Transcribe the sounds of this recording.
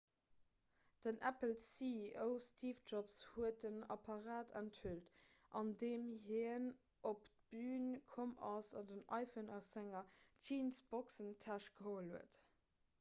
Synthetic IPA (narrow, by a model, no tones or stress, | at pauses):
d̥ənʔæpəlsiəʊstʰiːfd͡ʒɔpshuət̚ənɑ̰pʰɑʁaːdæ̰nthyltʔɑndeːmɦiən | ʔoptb̥yːnkʰomɑsɑdənɑ̰ɪfənɑszæŋɐd͡ʒiːnsb̥ɔksəntʰæʃɡ̥əɦoːəlhuət